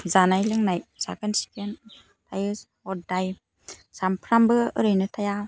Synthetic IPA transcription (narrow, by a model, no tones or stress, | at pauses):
zanajlɯŋnajsa̰ɡɯnsi̥ken | tʰajɯ | ɔdaj | sampʰɾambɯɯɾɯjnɯtʰaja